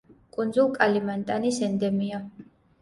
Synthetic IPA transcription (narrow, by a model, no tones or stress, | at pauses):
kʼund̪zulˠkʼalimant̪ʼanisɛnd̪ɛmiɔ